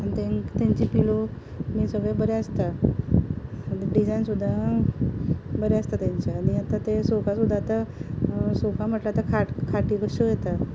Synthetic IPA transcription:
anit̪ẽŋt̪ãɲt͡ɕipilo | miːsəɡɭebəɾeəst̪a | ɖid͡zajnsud̪ʱːa | bəɾeəst̪at̪jãɲt͡ɕaːniat̪at̪esofʰasud̪ʱːaːt̪a | sofʰam̤əʈlat̪akʰaʈkʰaʈikəɕəjet̪a

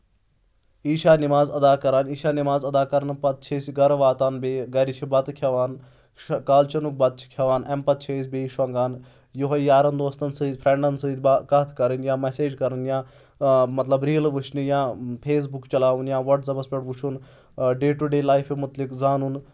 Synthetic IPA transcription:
iːʃaːnimaːzɐd̪aːkɐɾaːniːʃaːnimaːzɐd̪aːkɐɾnpɐt̪̚t͡ʃʰeːsiɡɐɾʋaːt̪aːnbeːɡɐɾit͡ʃʰibɐt̪kʰjɐʋaːn | ʃkaːlt͡ʃɐnuk̚bɐt̪̚t͡ʃʰi̥kʰɐʋaːnɛmpɐt̪̚t͡ʃʰeːsʲbeːʃɐŋɡaːn | juɦɐjaːɾɐnd̪oːst̪ɐnsɨid̪pʰɾeɳɖɐnsɨd̪bakɐt̪ʰkɐɾɐnjãːmɛseːd͡ʒkɐɾɐnjãː | mɐt̪lɐbɾiːɐlʋɨʃʰnijãːpʰeːs̬bukt͡ʃɐlaːʋunjãːʋɐʈzɐbɐspʲeʈʋuʃʰun | ɖeːʈuɖeːlaːjfʰimʊt̪likzaːnun

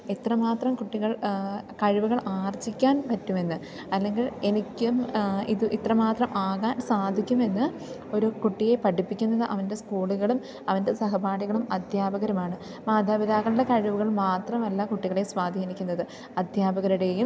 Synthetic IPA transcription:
it̪ːrɐmaːt̪rɐmkuʈːiɣɐɭkɐɻiʋuɣɐɭaːrt͡ɕːikʲːaːnpɐtːume̞nːɨ | ɐlːe̞ŋɡile̞nikʲːumḭðuʔit̪rɐmaːt̪rɐmʔaːɣaːnsaːd̪ʱikʲːume̞nːɨ | o̞ɾukuʈːije̞pɐʈipːikʲːunːɐðɨʔɐʋɐnde̞skuːɭuɣɐɭum | ɐʋɐnde̞sɐɦɐbaːɽiɣɐɭumɐd̪ʱjaːbɐɣɐɾɐmaːɳɨ | maːd̪ʱaːbiðaːɣɐɭuɽekɐɻiʋuɣɐɭmaːt̪rɐmɐlːɐkuʈːiɣɐɭeswaːd̪ʱinikʲːunːɐðɨ | ɐd̪ʱjaːbɐɣɐɾuɽe̞ːjum

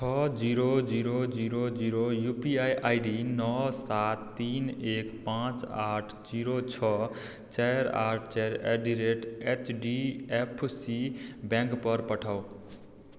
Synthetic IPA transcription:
t͡ʃʰʌd͡ʒiɾod͡ʒiɾod͡ʒiɾod͡ʒiɾojupiajʔajɖinɔsat̪ːinekpãt͡saʈʰd͡ʒiɾot͡ʃʰɔ | t͡ʃajɾa̰ʈʰt͡ʃɛɾḛɖiɾeʈet͡ʃɖiepʰsibɛ̃ŋkpʌɾpəʈʰaw

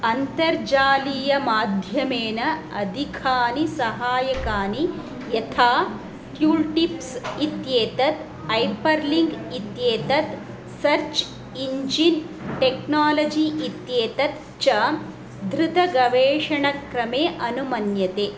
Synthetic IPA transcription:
ɐnt̪ɐɾd͡ʒaːlijɐmaːd̪ʱjɐmeːnɐɐd̪ʱikʰaːnisɐɦaːjɐkaːni | jɐt̪ʰaː | t̪juːlʈipsit̪jeːt̪ɐt̪ | ɐjpɐɾliŋɡit̪jeːt̪ɐt̪ | sɐɾt͡ʃ | iɲd͡ʒin | ʈeknaːlɐd͡ʒiʔit̪jeːt̪ɐt̪ | t͡ʃɐ | d̪ʱɾut̪ɐɡɐʋeːʂɐɳɐkɾɐmeːʔɐnumɐnjɐt̪eː

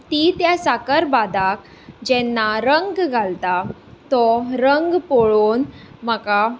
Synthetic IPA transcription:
t̪it̪jasakəɾbad̪ak | d͡ʑɛ̃nːaɾəŋɡɡʱalt̪at̪ɔɾəŋɡpoɭoːnm̤aka

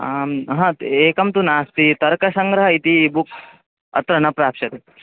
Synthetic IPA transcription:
ɦãeːkɐmt̪unaːst̪it̪ɐɾkɐsɐŋɡɾɐɦɐit̪iːbuk | ɐ̰t̪ɾɐɳɐpɾaːpʃɐt̪e

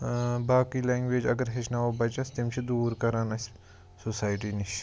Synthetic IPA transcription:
baːkiːlẽːŋɡʋeːd͡ʒɐɡəɾɦeʃnaʋobɐt͡ʃɐst̪ɪmt͡ʃʰid̪uːɾkɐɾaːnɐs | sosaːjʈiːniʃ

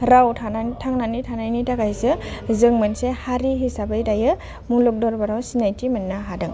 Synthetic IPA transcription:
ɾawtʰantʰaŋnanitʰanajnitaɡajsɯzɯŋmɯnsehaɾiɦisabajdajɯ | mulɔk̚dɔɾbaɾawsinajtimanːaɦadɯŋ

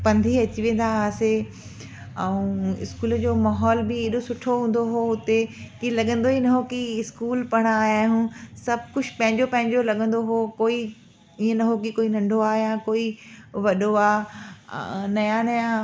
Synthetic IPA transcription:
pɐ̃nd̪ʱiɐt͡ɕiʋẽːn̆d̪aaːse | ɛũɪ̰skuːld͡ʑoːmaːɦɔːlbɪeːɗosʊʈʰoɦũːn̆d̪oɦoʊt̪ekilɐɠə̃nd̪oɦinɐɦokiɪskuːlpɐɽ̃aːɦjaɦũsɐb̚ʱkʊt͡ɕʰpɐ̃ɦɪ̃ɲd͡ʑopɐ̃ɦɪ̃ɲd͡ʑolɐɠə̃nd̪oɦokoːi | iːə̃nɐɦok̬ikoːinɐ̃ɳɖʱoaːɦejãkoːiʋɐɗoaː | nɐjãnɐjã

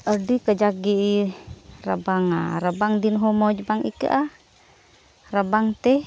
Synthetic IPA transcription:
ərdikəd͡ʒaɡi | ra̰baŋa̰ɾabaŋdinɦɔmɔd͡ʒbaŋḭkə̰ʔa | rabaŋt̪ɛ

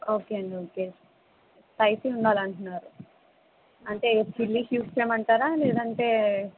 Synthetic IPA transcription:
o̞ːkeːɐɳɖioːkeː | t̪ɐjsiuɳɖaːlɐɳʈunːaːɾu | ɐɳʈe̞pʰilːihjuːd͡ʒt͡ʃeːmɐɳʈaːɾaːleːd̪ɐɳʈe̞ː

